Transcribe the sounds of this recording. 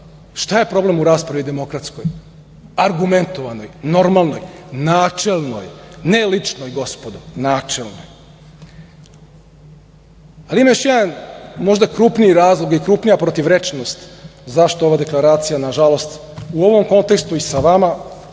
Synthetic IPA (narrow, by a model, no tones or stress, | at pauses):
ʃt̪aje̞pɾo̞ble̞muɾaːspɾaʋid̪e̞mo̞kɾat̪skoj | aɾɡume̞nt̪o̞ʋano̞jno̞ɾmalˠno̞jnaːt͡ʃelˠno̰jnelit͡ʃnojɡo̞spod̪o̞naːt͡ʃelˠno̰j | aliimajoʃjed̪anmo̞ʒd̪akɾuːpniiɾaːzlˠoɡikɾuːpnijapɾo̞t̪iʋɾet͡ʃnost̪zaʃt̪ooʋad̪e̞klˠaɾaːt̪sijanaʒalˠo̞st̪ | uo̞ʋo̞mko̞nt̪ekst̪uisaʋama